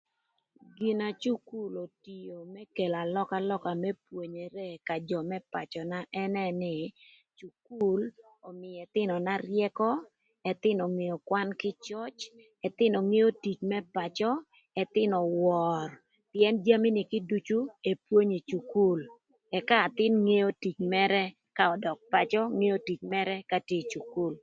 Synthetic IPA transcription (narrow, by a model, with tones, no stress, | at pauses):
ɡɪ˨na˨t͡ʃu˦ku˦lo˨ti˨jo˨mɛ˦ke˨la˨lɔ˦ka˦lɔ˦ka˨mɛ˦pwo˨ɲe˨ɾe˦ka˨d͡ʒɔ˨mɛ˦pa̰˨t͡ʃɔ˨na˦ʔɛ˦nɛ˦nɪ˦˨ | t͡ʃu˨ku˦l | ɔ˨mɪ˨ɛ˨t̪ɪ˦nɔ˨na˦rjɛ˦kɔ˦ | ɛ˨t̪ɪ˦nɔ˨ŋe˨o˨kwa˦nkɪ˦t͡ʃɔ˦t͡ʃ | ɛ˨t̪ɪ˦nɔ˨ŋe˦jo˦ti˨t͡ʃmɛ˦pa˨t͡ʃɔ˦ | ɛ˨t̪ɪ˦nɔ˨wɔ˨r | pjɛ˦nd͡ʒa˦mi˦nɪ˨kɪ˦du˦t͡ʃu˦e˨pwo˦ɲe˨t͡ʃu˨ku˦l | ɛ˨kaː˦˨t̪ɪ˦nŋe˦jo˦ti˨t͡ʃmɛ˦ɾɛ˦ | ka˦ɔ˨dɔ˨k̚pa˨t͡ʃɔ˦ŋe˦o˦ti˨t͡ʃmɛ˦ɾɛ˦ka˨ti˨t͡ʃu˨ku˦˨l